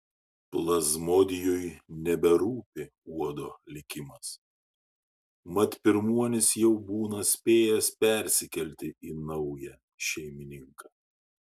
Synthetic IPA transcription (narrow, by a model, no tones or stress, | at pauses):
plˠɐzmoːd̪ʲɪjʊjnʲɛbʲɛɾuːpʲɪ | uɔd̪oːlʲɪkʲɪmɐs | mɐt̪ʲpʲɪɾmuɔnʲɪsjɛʊbuːnɐsʲpʲeːjɛspʲɛˑɾʲsʲɪkʲɛlʲt̪ʲɪinɐʊjɛ | ʃʲɛɪmʲɪnʲɪŋkɑː